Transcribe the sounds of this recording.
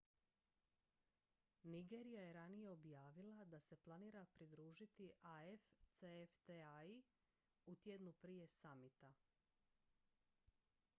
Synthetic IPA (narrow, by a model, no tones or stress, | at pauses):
niɡeːɾijajeɾanije̞o̞bjaːʋilˠad̪ase̞plˠaniːɾapɾid̪ɾuːʒit̪iʔaeft̪seeft̪eai | ut̪jed̪nupɾije̞samit̪a